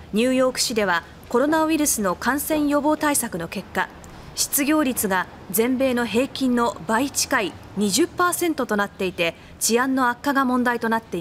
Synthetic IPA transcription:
ɲ̟ɨːjo̞ːkɯ̟̥ɕid̪e̞βa | ko̞ɾo̞naɯiɾɯsɨno̞kãɰ̃sẽ̞ɰ̃jo̞bo̞ːt̪aisakɯ̟no̞ke̞kːa | ɕi̥t͡sɨɡʲo̞ːɾʲit͡sɨɡa | d͡zẽ̞mbe̞ːno̞ɦe̞ːkʲĩnːo̞bait͡ɕi̥kai | ɲ̟iʑɨpːaːsẽ̞nt̪o̞t̪o̞nat̪ːe̞it̪e̞ | d͡ʑiãnːo̞akːaɡamõ̞nd̪ait̪o̞nat̪ːe̞i

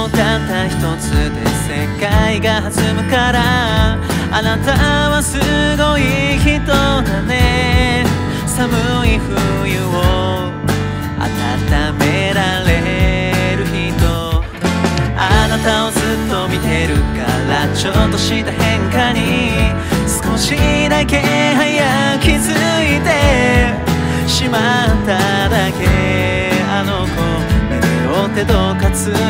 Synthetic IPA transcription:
k̪at̪ːaçi̥t̪o̞t͡sɨd̪e̞̰se̞kaiɡahazɨmɯ̟kaɾa | anat̪aβasɨɡo̞içit̪od̪ane | samɯiɸɯ̟ | jɯo | a̰t̪at̪ame̞ɾaɾe̞ | ɾɯ̟çit̪o̞ | anat̪ao̞zɨt̪ːo̞mʲit̪e̞ɾɯ̟ka̰ɾat͡ɕot̪ːo̞ɕit̪ahẽ̞ŋkaɲ̟i | sɨ̥ko̞ɕid̪ake̞haijakʲizɨit̪e̞ | ɕimat̪ːa | d̪ake̞ | anoko | eɾiɾot̪e̞d̪okat͡sɨ

